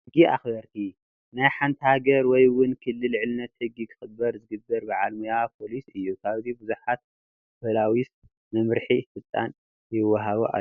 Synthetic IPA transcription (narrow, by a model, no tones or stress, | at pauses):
hɨɡia̰xbɐɾt̪ʰi | najħant̪ʰhaɡɐɾwɔjwʊnkʰɨlːɨlʕɨlnɐt̪hɨɡːikʰɨ̥xɨbːɐɾzɨɡɨbːɐɾbaʕalmujapʰo̞lisɨjːukʰaβzibɨzuħat̪̚ | bɐlawis | mɐmɾħifɨt̪ʼa̰n | jɪwːɐɦaβoʔa̰